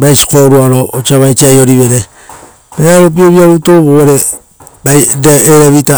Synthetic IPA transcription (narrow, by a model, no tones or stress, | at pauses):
bajsi̥koɾuaɾoot͡ʃaβajt͡ʃiajoɾiβeɾe | beaɾop̬ioβiaβutoβoɾe | badeeɾeβita